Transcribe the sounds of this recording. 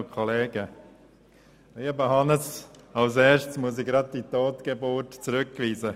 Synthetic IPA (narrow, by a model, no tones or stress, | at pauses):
kʰɔleːɡ̥ə | eːəbəhɑnəsɑlseːʃtsmuəsɪɡɾɑd̚ditoːtɡ̥ebʊtt͡sɾʏkʋiːzə